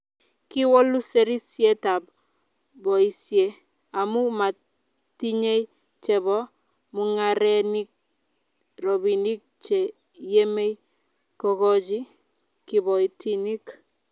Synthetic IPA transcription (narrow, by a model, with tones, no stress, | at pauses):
ki˦wo˦lu˦se˦ɾi˦sje˦ta˨b | bɔ˨i˨sje˦ | a˨mu˦ma˨ | ti˦ɲe˦i˦ | t͡ʃɛ˨bɔ˦ | mu˦ŋa˦ɾɛ˦ni˦k̚ | ɾo˨bi˨ni˦k̚t͡ʃe˨ | je˦me˦i˦ | kɔɡɔ˦d͡ʒi˦ | ki˨bɔ˨i˨tʰi˦ni˦k